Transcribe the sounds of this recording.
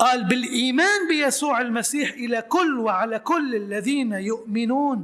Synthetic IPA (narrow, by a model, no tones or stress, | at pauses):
ʔaːlbɪlʔiːmaːnbɪjasuːʕalmasiːħʔɪlakʊlːwɪʕalakʊlːɪlːaðiːnajʊʔmɪnuːn